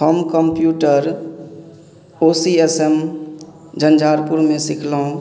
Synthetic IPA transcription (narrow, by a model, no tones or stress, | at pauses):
həmkəmpjuːʈəɾ | oːsiesem | d͡ʒənd͡ʒaːɾpʊɾmẽsɪkʰlaũ